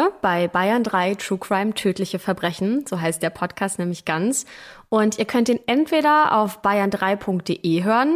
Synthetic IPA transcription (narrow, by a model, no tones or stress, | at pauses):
b̥aɪbaɪɐndʁaɪtʁ̥uːkʁ̥aɪmtʰøːtlɪçəfɛɐbʁɛçn̩z̥oːɦaɪst̚d̥eːɐpʰɔtkʰaːstnɛːmlɪçɡ̥ant͡sʔʊntʔiːɐkʰœntiːnʔɛntv̥eːɾɐʔa̰ʊfb̥aɪɐndʁaɪpʰʊŋk̚t̚d̥eːʔeːɦøːʁən